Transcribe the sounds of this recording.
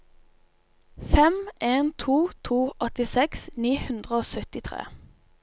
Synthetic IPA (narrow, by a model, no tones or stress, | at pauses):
fɛmeːnt̪ʰuːt̪ʰuːʔɔt̪ɪsɛksniːhʉnd̪ʁəoːsœt̪ɪt̪ʰʁḛː